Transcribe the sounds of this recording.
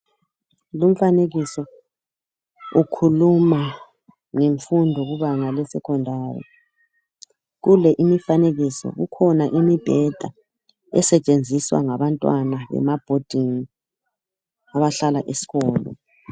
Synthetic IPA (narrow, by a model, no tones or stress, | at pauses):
lum̩faneɣisɔ | ukʰuluma | ŋeɱfundʱɔɣuβaŋalɛsɛkʰɔndʱaːrḭ | ɣulɛʔimifaneɣisɔ̰ɣṵkʰɔnaʔimib̥ʱɛd̥ʱa̰ | ɛ̰sɛt͡ʃʼend͡zʱiswa̰ŋaβantʼwanaβɛ̰mab̥ʱod̥ʱiŋi | aβaɬalaʔesi̥ɣɔːlɔ̰